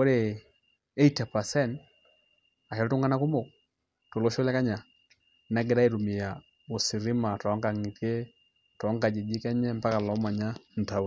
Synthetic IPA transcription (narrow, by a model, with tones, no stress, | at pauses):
o˦ɾe˨ | e˦i˦ta˨pa˨sɛ˦˨n | a˨hɛ˨ɾɔ˦tu˦ŋa˦na˦ku˦mo˨k | to˨lo˦ʃo˦lɛ˦ka˦ɲa˨ | na˨˦ɡɛ˨ɾa˦i˦ɾu˨mɪ˨ja˨ | o˨si˨ɾɪ˦ma˨tɔ˨ɔ˦ŋka˨ŋi˨te˦ | tɔ˨ɔ˦ŋɡa˨d͡ʒe˨d͡ʒi˦kɛ˦ɲɛ˦mpa˦ka˨lɔ˨˦ma˨ɲa˦n̩˨ta˨